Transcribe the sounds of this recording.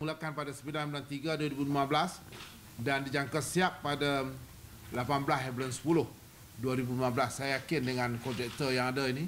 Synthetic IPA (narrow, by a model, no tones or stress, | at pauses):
mulakanpadasəmilanɛblant̪iɡaduaɾibulimãbəlas | dandid͡ʒaŋkasiapːada | lapanbəlasɛblansə̥pulʊh | duaɾibulimabəlasːajajakɪndəŋãnkɔd͡ʒɛk̚t̪əjaŋadaini